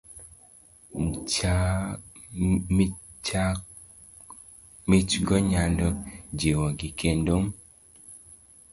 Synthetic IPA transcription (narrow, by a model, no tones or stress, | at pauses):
nt͡ʃa | t͡ʃa | mit͡ʃɡɔɲandɔd͡ʒewɔɡikendom